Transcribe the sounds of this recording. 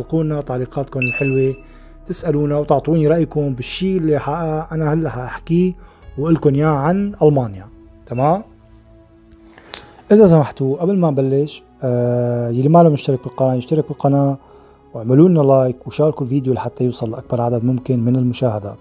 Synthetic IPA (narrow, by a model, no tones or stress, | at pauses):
lquːnːat̪aʕliːqɑːt̪kʊnɪlħɪlwi | t̪ɪsʔaluːnawt̪ʊʕt̪ˤuːniɾˤɑʔjkʊmbɪʃːiːɪlːiħaʔʔanahalːaħaʔaħkiwʔɪlkʊnjaːʕanʔalmaːnja | t̪ʰamaːm | ʔɪzasamaħt̪uʔablmabalːɪʃ | jalːimalamjɪʃt̪ɑɾɪk̚bɪlqɑnaːʔjɪʃt̪ɑɾˤɪk̚bɪlqɑnaːʔ | wɪʕmɪluːnːalɑːjkwʃɑːɾˤɑkulviːd̪jolaħat̪ːajuːsˤɑlːʔak̚bɑɾˤʕad̪ad̪mʊmkɪnmɪnɪlmʊʃaːhad̪a̰ːt̪